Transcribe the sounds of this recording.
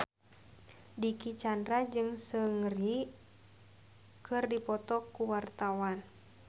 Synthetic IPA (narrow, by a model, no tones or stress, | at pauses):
dikit͡ʃandɾad͡ʒɨŋsəŋɾi | kɨrdipɔt̪ɔkuwart̪awan